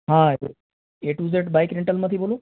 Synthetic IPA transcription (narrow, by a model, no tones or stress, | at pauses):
ɦã | eʈuzeʈbajkɾiɳʈəlməd̪ʱibolũː